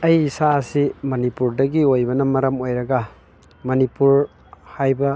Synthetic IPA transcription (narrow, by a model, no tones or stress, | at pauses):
ɐjsaɐsimɐnipuɾdɐɡiojbɐnɐmɐɾɐmojɾɐɡɐ | mɐnipuɾ | hajbɐ